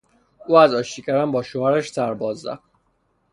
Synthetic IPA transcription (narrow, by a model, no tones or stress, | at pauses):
uːæzɒːʃicʰæɾæmbɒːʃoæɾæʃsæɾbɒːzːæ̰f